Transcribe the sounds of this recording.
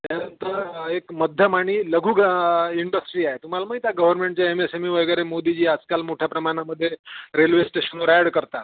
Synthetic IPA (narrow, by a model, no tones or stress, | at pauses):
t̪jjanənt̪əɾekməd̪ʱjəmaɽ̃iːləɡʱuːɡiɳɖəsʈɾiːaɦet̪um̤alaməit̪jaɡəʋəɾmẽɳʈt͡ɕjaemesemiʋəɡəɾemod̪id͡ʑiːad͡zkalmoʈʰjapɾəmaɽ̃aməd̪ʱːjeɾelʋesʈeɕənʋəɾaɽkəɾt̪a